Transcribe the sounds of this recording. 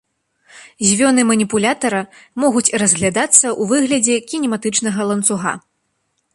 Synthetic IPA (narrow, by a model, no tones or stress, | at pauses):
zʲvʲɔnɨmɐnʲipulʲat̪ɐɾɐmɔɣut͡sʲrɐzɣlʲad̪at̪sːɐʔuvɨɣlʲɐd͡zʲɛkʲinʲɛmat̪ɨt͡ʂnɐɣɐlˠɐnt̪suɣa̰